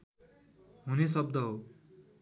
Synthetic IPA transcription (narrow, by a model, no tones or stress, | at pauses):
ɦunesʌb̚d̪ʌɦo